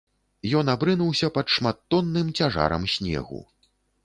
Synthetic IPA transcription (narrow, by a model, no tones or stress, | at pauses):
jɔnabɾɨnuwsʲɐpɐt̪ʂmat̪ːɔnːɨmt͡sʲaʐa̰ɾɐ̰msʲnʲɛ̰ɣṵ